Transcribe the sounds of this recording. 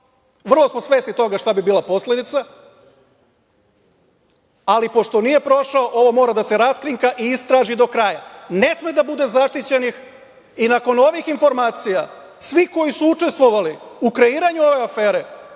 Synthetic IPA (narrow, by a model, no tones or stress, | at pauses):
ʋr̩lˠo̞smo̞sʋe̞snit̪o̞ɡaʃt̪abibiːlˠapo̞sle̞d̪it̪sa | alipo̞ʃt̪o̞nije̞pɾo̞ʃaoʔo̞ʋo̞mo̞ːɾad̪ase̞ɾaskɾiŋkaʔiist̪ɾaːʒid̪o̞kɾajane̞smed̪abud̪e̞zaʃt̪it͡ɕe̞nix | inako̞no̞ʋixinfo̞ɾmaːt̪sija | sʋiko̞jisuut͡ʃe̞st̪ʋoʋaliukɾe̞iːɾaɲuo̞ʋe̞afe̞ːɾe̞